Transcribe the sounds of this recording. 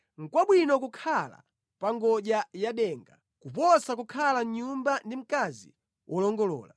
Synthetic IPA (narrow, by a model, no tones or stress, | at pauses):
ŋ̩kwaɓwinɔkukʰala̰ | paŋɡɔʄajaɗɛŋɡa | kupɔsakukʰalamɲumbandim̩kazḭ | wʔɔlɔŋɡɔlɔ̰ːla̰